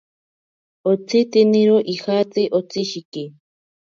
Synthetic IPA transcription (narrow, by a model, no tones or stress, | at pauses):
ot͡sʰit̪iniɾoʔixat͡siʔot͡siʃiki